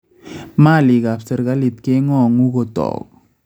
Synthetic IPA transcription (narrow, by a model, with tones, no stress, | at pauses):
ma˦˨lɪ˨ɡa˨fse˨ɾɡa˦li˨t̪ke˦ŋɔ˦˨ŋu˦ɡo˦t̪ɔ̰˨k